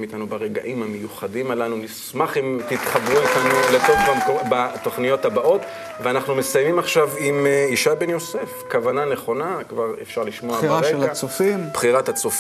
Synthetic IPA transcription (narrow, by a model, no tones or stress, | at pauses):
mit̪anubaʁeɡa̰ʔimhamejuχadimalanunismaχimt̪it̪χabʁuit̪anlet̪ovbamkobat̪o̞χnijo̞thabaʔo̞t | veanaχnume̞sajmimaχʃavimiʃabe̞njo̞sefkavanane̞χo̞nakvaʁefʃaʁliʃmoaaaʁeɡlaat͡sofimb̥χiʁat̪hat͡sof